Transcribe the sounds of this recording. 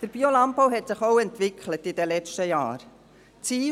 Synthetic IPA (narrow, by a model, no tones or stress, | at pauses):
d̥əɾb̥iolɑmpɔwɦɛtsɪχowɛntvɪkχlətɪdɛlɛt͡ʃtəjɑ̰ːɾ | t͡siː